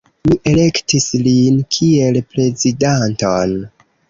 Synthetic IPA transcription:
miʔe̞le̞ktislinkʰie̞lpɾe̞zidanton

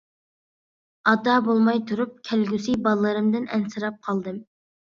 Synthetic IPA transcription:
ɑd̪ɑbolˠmɑjt̪ʰuɾup̚kʲʰælɡʲysibɑlˠlːˠɨɾɨmd̪ɪnɛnsɨɾɑp̚qʰɑlˠd̪ɨm

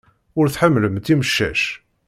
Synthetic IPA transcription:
ʊɾθħamːləmt̪iməʃːæ̰ʃ

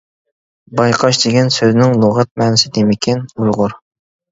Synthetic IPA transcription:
bɑjqʰɑʃd̪ɪɡʲɛnsøznɪŋlˠoʁɛt̪̚mɛːnɪsɪd̪emɪkʲʰɪnujʁʊɾ

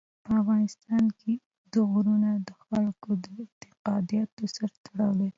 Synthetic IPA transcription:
pəafɣɑnɪst̪ɑnkʰe | d̪əɣɾunad̪əxalkod̪əɪnt̪ɪqɑd̪ijɑt̪osaɾat̪aɽawe

